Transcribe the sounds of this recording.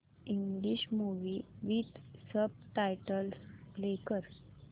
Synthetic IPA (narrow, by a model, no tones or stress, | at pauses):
iŋɡliɕmuʋiʋit̪səb̚ʈajʈəlslekəɾ